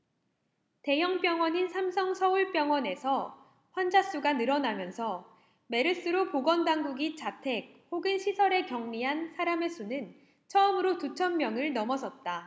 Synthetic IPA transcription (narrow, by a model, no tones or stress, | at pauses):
te̞jʌŋp͈jʌŋwʌɲinsʰamsʰʌŋsʰʌuɭp͈jʌŋwʌne̞sʰʌ | ɸwand͡ʑas͈uɡanɯɾʌnamjʌnsʰʌ | me̞ɾɯs͈ɯɾokoɡʌndaŋɡuɡit͡ɕatʰe̞k̚hoɡɯnɕʰisʰʌɾe̞kjʌŋɲiɦansʰaɾame̞s͈ʰunɯn | t͡ɕʰʌɯmɯɾotut͡ɕʰʌmːjʌŋɯɭnʌmʌsʰʌt̚t͈a